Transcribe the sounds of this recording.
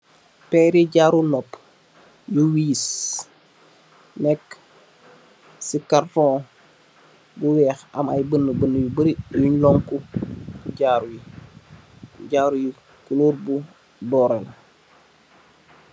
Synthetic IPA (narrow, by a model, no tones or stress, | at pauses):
pɛːɾiɟaːɾunɔp | juwiːs | nɛk | sikartɔ̃ː | buwɛːxɐmajbənːəbənːəjubəɾijuɲlɔŋkukuɟaːɾuji | ɟaːɾuji | kuluːɾbu | bɔːɾɛla